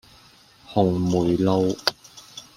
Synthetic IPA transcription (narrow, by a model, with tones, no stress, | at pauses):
hʊ˨˩ŋmuː˨˩jlo˧w